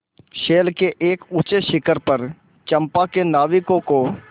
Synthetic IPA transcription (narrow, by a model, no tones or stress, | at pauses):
ʃeːlkeʔeːkʊt͡ʃeʃɪkəɾpɐɾ | t͡ʃɐ̃mpakenaːʋɪkõko